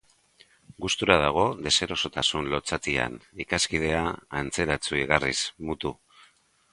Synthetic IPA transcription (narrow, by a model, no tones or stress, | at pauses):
ɡust̪uɾað̞aɣ̞o̞ðe̞se̞ɾo̞so̞t̪asunlo̞t͡sat̪ia̰nikaskið̞e̞aːnt͡se̞ɾat͡suiɣarismut̪u